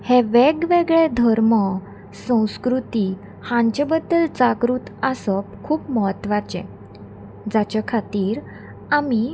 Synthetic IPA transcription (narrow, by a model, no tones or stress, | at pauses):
hɛʋeɡʋeɡɭẽd̪ʱəɾmə | sə̃w̃skɾut̪i | hãɲt͡ɕebəd̪ːəlt͡sakɾuːt̪asəp̚kʰuːpməɦət̪ʋat͡ɕɛ̰̃ | d͡zat͡ɕakʰat̪iːɾ | ami